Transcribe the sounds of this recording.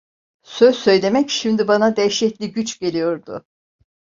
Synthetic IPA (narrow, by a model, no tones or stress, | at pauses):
søzsø̞jlʲe̞mɛcʃimd̪ibanad̪ɛjʃɛclʲiɟyt͡ʃɟe̞lʲijo̞ɾd̪ʊ̰